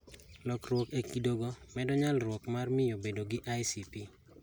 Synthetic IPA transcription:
lɔkrwɔkekidoɡomɛdɔɲalrwɔkmarmɪjobedoɡɪʔajsipi

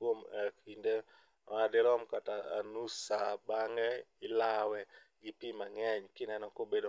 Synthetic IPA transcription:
womɛkinde | adɪɾɔmkataa̰nusabaŋɛɪlawɛ | ɡɪpimaŋɛɲkɪnɛnɔkobedo

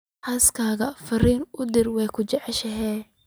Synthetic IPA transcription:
hɐskʰaːɣɐfɐriːnʊd̪ɪrwɛːkʰʊt͡ʃɛʕɛʃɐɦɛː

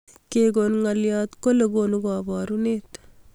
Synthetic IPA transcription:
keɡonŋɐlijat̪kolɐɡonuɡaːbaːɾunet̪

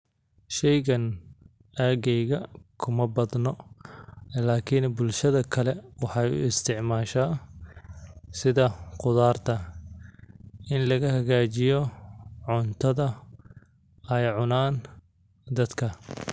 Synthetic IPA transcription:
ʃɛjɣɐn | aːɣɛjɣɐkʰʊmɐbɐd̪nɔ | laːkʰɪnbʊlʃɐðɐkʰɐlɛwɑħɑjʊ̰ɪst̪ʰɪʕmaːʃa | sɪðɐqʊðaːrt̪ʰɐ | ʔɪnlɐɣɐhɐɣaːt͡ʃɪjɔʕʊnt̪ʰɐðɐ | ɛjʕʊnaːn | d̪ɐd̪kʰɐ

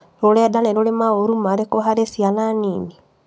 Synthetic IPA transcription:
ɾoɾɛdanɛɾolemaoɾumaɾekoɦaɾesjananiːni

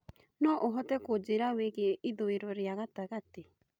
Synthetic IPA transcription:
nɔʔoɦɔtɛkod͡ʒeɾaweɣeʔiðoeɾɔɾeaɣataɣate

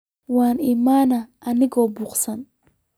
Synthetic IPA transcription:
waːnimaːnɐɐnɪɡɔbuqsɐn

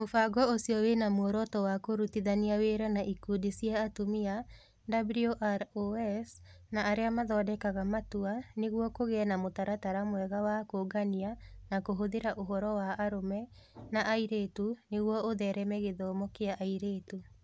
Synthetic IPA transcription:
mofaɡɔosiɔwenamoɾɔtɔwakoɾutiðaniaweːɾanaʔikudisiaːtomia | dablioʔaɾoɛs | naːɾeamaðɔːdɛkaɣamatuaneɣwɔkoɣɛnamotaɾataɾamwɛɣawakoɡanianakoɦoðeɾaʔoɦɔɾɔwaʔːɾomɛnaʔaiɾetuneɣwɔoðɛɾɛmɛɣeðɔːmɔkeaʔaiɾetu

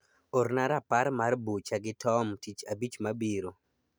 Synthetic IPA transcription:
ornaɾapaɾmarbut͡ʃaɡɪtʰɔmtit͡ʃabit͡ʃmabiɾo

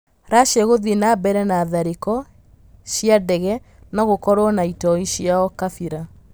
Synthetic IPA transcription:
ɾaʃeɣoðinabɛɾɛnaðaɾekɔ | ʃiadɛɣɛ | nɔɣokɔɾwɔnaitɔiɕiaɔkafiɾa

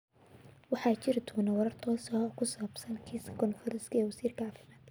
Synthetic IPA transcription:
wɑħɑːt͡ʃɪrt̪ʰuːnɐwɐɾɐrt̪ʰɔːsɔkʰʊsaːbsɐnkʰiːsʰkʰɔnfɐɾɐskʰɐɛːwɐsiːrkʰɐɑːfɪmaːd̪

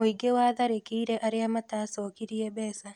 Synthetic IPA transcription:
oiɡewaːðaɾekiiɾeʔaɾeamataːsoːkiɾiebɛːsa

